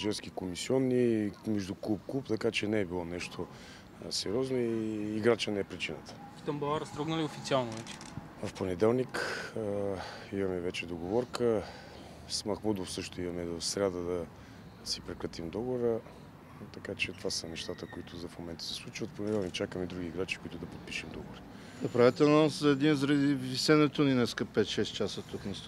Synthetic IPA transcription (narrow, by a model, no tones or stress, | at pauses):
ʒɛɾsk̟ikomisiɔnːimɛʒd̪uklˠup̚klˠupt̪ɐkat͡ʃɛnɛːbilˠɔnɛʃt̪ʰo | sɛɾʲiɔznoiːɡɾat͡ʃənɛɛpɾit͡ʃinət̪ə̥kt̪ɐmbolˠaɾɐst̪ɾɔɡnəliofit̪sialˠnovɛt͡ʃɛ̥ | vɐfponɛd̪ɛlˠnikəimɐmɛvɛt͡ʃɛd̪oɡovɔɾkə | smɐxmud̪ofsɤʃt̪ʊimɐmɛvɐfsɾʲad̪əd̪ɐ | sipɾɛkɾət̪imd̪ɔɡoɾə | t̪ɐkat͡ʃɛt̪ovasənɛʃt̪at̪əkoit̪ʰʊzɐfmomɛnt̪ə̥sɛ̥slˠut͡ʃvət̪ponɛd̪ɛlˠnik̚t͡ʃakəmid̪ɾuɡʲiːɡɾat͡ʃi̥kʊit̪ʊd̪ɐpot̪̚piʃɛmd̪ɔɡvoɾə | nɐpɾavit̪ɛnanszɐɛd̪inzəɾɐd̪ivisɛnɛt̪oninɛskəpɛt̪ʃɛst͡ʃasət̪uknist̪